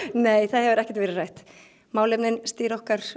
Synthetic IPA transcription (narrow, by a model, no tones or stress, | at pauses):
neːjθaðhɛvʏɾɛhcɛt̪vɛːɾɪraːjht̪ | maːwlɛpnɪnst̪iːɾɔhkaɾ̥